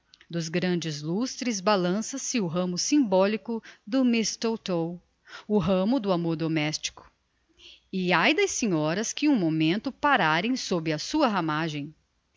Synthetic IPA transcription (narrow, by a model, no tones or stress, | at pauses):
d̪ʊzɡɾɐ̃d͡ʒɪzlust̪ɾɪzbalɐ̃sɐsɪʊɦɐ̃mʊsĩbɔlikʊd̪ʊmist̪owt̪ow | ʊɦɐ̃mʊd̪ʊamoɾd̪omɛst͡ʃi̥kʊ̥ | ɪajd̪ɐsĩɲɔɾɐskɪũmomẽnt̪ʊpaɾaɾẽj̃sobɾɪɐsuɐɦamaʒẽj̃